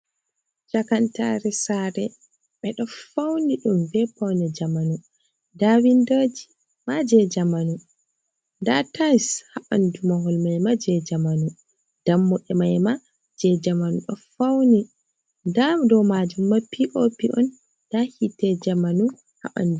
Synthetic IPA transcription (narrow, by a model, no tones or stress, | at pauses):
d͡ʒakanta̰ɾɛsaɾɛ | ɓɛɗɔfawniɗumvɛpawnɛd͡ʒamanu | dawindod͡ʒi | mad͡ʒɛd͡ʒamanu | ndatajshaɓandumaɦɔlmajmad͡ʒɛd͡ʒamanu | d̥amːɔɗɛmajma | d͡ʒɛd͡ʒamanuɗɔ̰fawni | ndadɔmad͡ʒumːapːiʔopiʔɔn | d̥ahitɛd͡ʒamanu | ha̰ɓa̰ndu